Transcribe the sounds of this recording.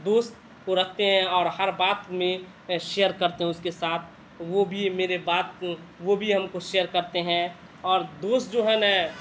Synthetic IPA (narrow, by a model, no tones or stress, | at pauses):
d̪oːst̪̚ | koɾɐɦt̪eɦɛ̃ɔːɾhəɾbaːt̪mẽ | ʃejəɾkɐɾt̪eɦɛ̃ʊskesaːt̪ʰ | ʋobʱimeːɾebaːt̪̚ʋobʱiɦɐmkoʃejəɾkɐɾt̪eɦɛ̃ | ɔːɾd̪oːst̪̚d͡ʒoːɦɛnɛ